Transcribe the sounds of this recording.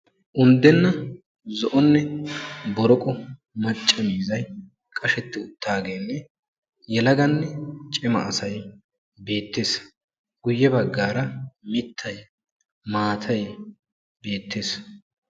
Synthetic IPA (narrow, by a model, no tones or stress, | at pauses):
ʔʊnd̪ɛnːɐ | zɔʔɔnːɛbɔɾɔkʼɔ | mɐt͡ʃʼːɐmiːzɐj | kʼɐʃɛt̪ːɪʊt̪ːaːɡeːnːɛ | jɛlɐɡɐnːɛt͡ʃʼɪmɐ̰ːsɐj | be̞ːt̪ːe̞ːs | ɡ̥ʊjːɛbɐɡːaːɾɐmɪt̪ʰːɐj | maːt̪ʰɐj | be̞ːt̪ːe̞ːs